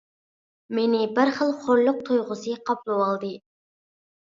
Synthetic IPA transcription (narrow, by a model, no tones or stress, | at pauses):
menɪbɪɾχəlˠχoɾlˠʊq̚t̪ʰujʁʊsɨqʰɑplˠuwɑlˠd̪ɨ